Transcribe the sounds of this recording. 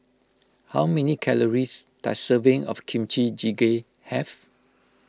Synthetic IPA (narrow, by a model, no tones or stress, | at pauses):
hawmɛ̃nikʰɛləɹista̰səvɪ̃ŋɔ̰fkʰĩmt͡ʃid͡ʒiɡe | hɛv